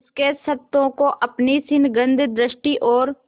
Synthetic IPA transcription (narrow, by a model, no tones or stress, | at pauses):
skesəp̚t̪õkoʔɐpnisɪnɡə̃nd̪ʱd̪ɾɪʃʈiʔɔːɾ